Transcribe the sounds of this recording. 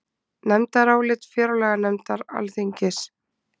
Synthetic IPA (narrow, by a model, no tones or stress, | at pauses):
nɛmt̪aɾaːwlɪt̪fjɛːɾʏlɛːɣanɛmt̪aɾa̰lθiɲcɪs